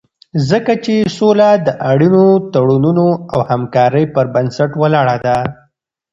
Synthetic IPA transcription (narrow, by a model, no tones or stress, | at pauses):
zəkat͡ʃesolad̪əʔaɽinot̪aɽununoawhamkɑɾəjpəɾbansaʈwalɑɽad̪a